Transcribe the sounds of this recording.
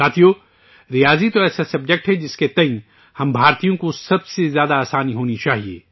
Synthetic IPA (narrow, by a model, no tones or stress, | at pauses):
saːt̪ʰijoː | ɾijaːzit̪oɛːsasɐb̚d͡ʒek̚ʈɦɛd͡ʒɪsket̪ɐ̃ĩ | hɐmbʱaːɾt̪ijõkosɐbsezjaːd̪aaːsaːniɦoːnit͡ʃaːɦiḛː